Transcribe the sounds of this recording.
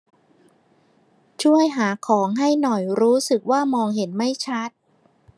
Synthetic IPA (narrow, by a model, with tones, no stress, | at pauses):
t͡ɕʰu˥˩əjɦaː˩˦kʰɔː˩˦ŋɦa˥˩jnɔ˨˩jɾuː˦˥sɯ˨˩k̚waː˥˩mɔː˧ŋɦe˩˦nma˥˩jt͡ɕʰa˦˥t̪̚